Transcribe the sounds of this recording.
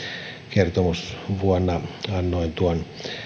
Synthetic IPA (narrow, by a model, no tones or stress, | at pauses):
kert̪omusʋuonːɑɑnːoint̪uon